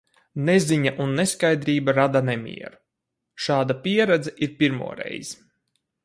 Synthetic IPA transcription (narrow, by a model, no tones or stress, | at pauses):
neziɲaʔunːeskajd̪ɾiːbaɾad̪anemʲḭɛ̰ɾu | ʃaːd̪apʲiɛɾɛd̪zɛʔiɾpiɾmṵɔɾɛ̰jz̥